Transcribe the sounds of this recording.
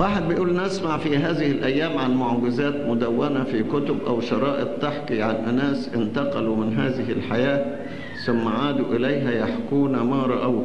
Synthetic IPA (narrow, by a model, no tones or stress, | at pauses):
waːħed̪̚bejʔuːlnɪsmaʕfiɦæːðɪhɪlʔæjːæːmʕanmʊʕɡɪzæːt̪mʊd̪æwːænæfikʊt̪ʊbʔæwʃɑɾˤɑːʔɪt̪̚ˤt̪ːaħkiʕanʔɪnæːsʔɪnt̪ɑqɑlumɪnɦaːðɪɦɪlħajaː | sʊmːaʕaːd̪ʊʔɪlæjɦæjaħkuːnamɑːɾˤɑʔaw